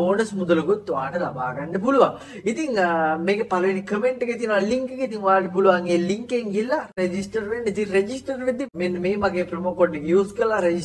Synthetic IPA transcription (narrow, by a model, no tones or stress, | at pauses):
oːnɐsmud̪ɐlɐɡut̪ːuʋaːnɐd̪ɐbʱaːɡɐɳɖebuluʋa | it̪iŋmeːɡepɐlɐinikɐmeɳʈɡet̪inaːliŋkɡet̪̬iŋʋaːɾɖibuluʋaːŋɡeːliŋkeːŋilːɐɾed͡ʒisʈɐɾɾeɳɖit̪iɾed͡ʒisʈɐɾid̪ːimenːmeːmɐɡepɾɐmokoɖiɡjuːskɐlːaɾed͡ʒi